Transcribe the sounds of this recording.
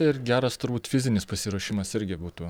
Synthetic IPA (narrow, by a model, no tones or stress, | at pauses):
ɪɾɡʲæːɾɐst̪ʊɾbuːt̪fʲɪzʲɪnʲɪspɐsʲɪɾoːʃʲɪmɐsɪɾʲɡʲɪbuːt̪uː